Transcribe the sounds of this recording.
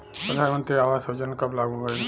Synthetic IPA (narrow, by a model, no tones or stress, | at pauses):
pəd̪ʱanmə̃nt̪ɾeaːʋaːsod͡ʒənkɐblaɡuɦo